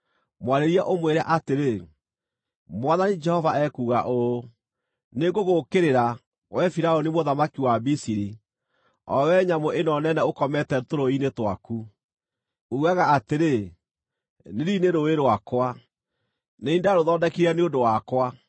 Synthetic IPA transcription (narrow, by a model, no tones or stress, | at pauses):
mwaɾeɾiaʔomweɾa̰ʔateɾe | mwaðanid͡ʒɛhɔvaɛkuːɣaʔo | neɡoɣokeɾeɾa | wɛfiɾaɔnimoðamakiwabisiɾi | ɔ̰wɛɲamoʔenɔnɛnɛokɔmɛtɛtoɾoinetwaku | uɣaɣaːteɾe | neɾineɾoweɾowakwa | neindaɾoðɔːdɛkiɾɛneodowakwa